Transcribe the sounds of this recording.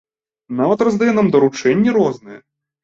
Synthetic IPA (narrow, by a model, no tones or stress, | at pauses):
navɐt̪rɐzd̪ajɛnamd̪ɐɾut͡ʂɛnʲːiɾɔznɨjɛ